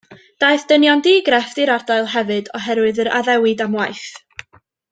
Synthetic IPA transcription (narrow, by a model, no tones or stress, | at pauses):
d̥aɨθd̥ənjɔndiːɡrɛfd̥iɾardajlˠɦɛvɨdɔɦɛɾwɨðəɾa̰ðɛwɨdamwajθ